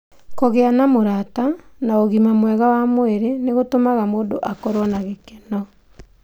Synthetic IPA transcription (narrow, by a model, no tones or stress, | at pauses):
kɔɣeanamoɾatanaoɣimamwɛɣawamoeɾeneɣotomaɣamoːndoʔakɔɾwɔnaɣekɛnɔ